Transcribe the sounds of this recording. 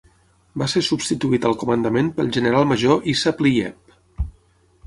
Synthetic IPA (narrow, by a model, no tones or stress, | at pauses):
basesubst̪it̪uit̪əlˠkumənd̪əmenpəlˠʒənəɾalˠməʒoʔisəpliɛ̰p̚